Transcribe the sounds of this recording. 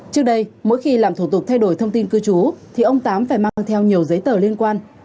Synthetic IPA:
t͡ɕɨ˦˥ək̚ɗə˧jmo̰˧˥jxi˧laː˨˩mt̪ʰu˧˩t̪ʊ˨˩k̚t̪ʰa˧jɗo˧˩jt̪ʰə˧wŋ͡mt̪i˧nkɨ˧t͡ɕu˨˦t̪ʰi˨˩ʔə˧wŋ͡mt̪aː˨˦mfaː˧˩jmaː˧ŋt̪ʰɛ˧wɲi˨˩əwzə˨˦jt̪əː˧˩li˧ənkwaː˧n

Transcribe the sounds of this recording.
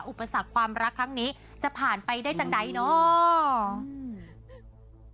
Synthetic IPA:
ʔu˨˩pːa˧sa˨˩kʰːwaː˧mɾa˦˥kʰːɾa˦˥ŋniː˦˥ | t͡ɕa˨˩ʔpʰaː˨˩npa˧jdaː˥˩jt͡ɕa˨˧˩ŋda˧˩jnɔ˦˥

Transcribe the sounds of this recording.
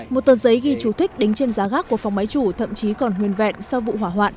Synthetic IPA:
mo˨˩t̚t̪əː˨˩nzə˨˦jɣi˧˩t͡ɕu˧˩t̪ʰï̟˦˥ɗï˨˦ŋ̟t͡ɕe˧nzaː˨˦ɣaː˦˥kːu˧˩əfa˨˩wŋ͡mma˨˦jt͡ɕu˧˩t̪ʰə̰˧˨mt͡ɕi˨˦kɔ˨˩nɦwi˨˩ənvɛ̰˧˨nsa˧wvṵ˧˨ɦwaː˧˩ɦwa̰ː˧˨nʔ

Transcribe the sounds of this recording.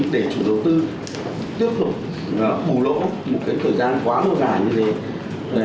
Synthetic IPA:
ɗe˧˩t͡ɕu˧˩ɗə˨˩wt̪ɨ˧ | t̪i˦˥əp̚t̪u˨˩k͡p̚ː | ɓu˧˩lo̰˧˥mo˨˩t̚kaː˨˦jt̪ʰəː˨˩jzaː˧nkwaː˨˦mə˧˩zaː˨˩jɲɨ˧ve˨˦˨

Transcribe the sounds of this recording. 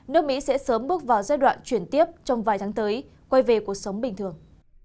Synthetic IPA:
nɨ˦˥k̚mḭ˧˥sɛ̰˧˥səː˨˦mɓɨ˦˥ək̚vaː˨˩wzaː˧jɗwa̰ː˧˨nt͡ɕwi˧˩ənt̪i˦˥əp̚t͡ɕɔ˧wŋ͡mvaː˨˩jt̪ʰaː˨˦ŋt̪əː˨˦j | kwa˧jve˨˩ku˧˨˩ək̚sə˨˦wŋ͡mɓï˨˩ŋ̟t̪ɨ˨˩əŋ

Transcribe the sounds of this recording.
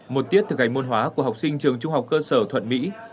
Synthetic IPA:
mo˨˩t̪̚i˦˥əp̚t̪ʰɨ˨˩k̚ʔa˨˩ŋ̟mo˧nɦwaː˨˦ku˧˩əha˨˩wk͡p̚sï˧ŋ̟t͡ɕɨ˨˩əŋt͡ɕʊ˧ŋ͡mɦa˨˩wk͡p̚kəː˧səː˧˩t̪ʰwə˧˨nmḭ˧˥

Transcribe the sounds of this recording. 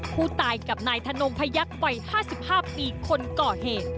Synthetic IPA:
pʰuː˥˩t̪aː˧jka˨˩p̚naː˧jt̪ʰa˧no˧ŋpʰa˧˥ja˦˥k̚wa˧jhaː˥˩si˨˩p̚haː˥˩piː˧kʰo˧nkɔː˨˩heː˨˩t̪̚

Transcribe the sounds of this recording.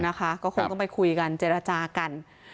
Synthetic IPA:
na˦˥kʰa˦˥kɔː˥˩kʰo˧ŋtɔ˥˩pa˧jkʰu˧jka˧nt͡ɕeː˧˩ɾa˧t͡ɕaː˧ka˧n

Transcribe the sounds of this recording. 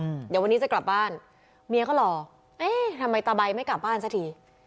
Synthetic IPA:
d̪aː˨˩wa˧nːiː˦˥t͡ɕa˨˩kla˨˩p̚baː˥˩n | mi˧˥əkʰɔ˥˩lɔː˨˧˩ | ʔeː˥˩t̪ʰa˧mːa˧jt̪aː˧ba˧jma˥˩jka˨˩p̚baː˥˩nsa˦˥˩t̪ʰiː˧

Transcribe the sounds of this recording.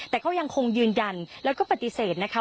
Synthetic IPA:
t̪ɛː˨˩kʰa˦˥wja˧ŋkʰo˧ŋjɯː˧nja˧nlɛː˦˥wkɔː˥˩pa˨t̪ːi˧seː˨˩t̪̚na˦˥kʰa˦˥

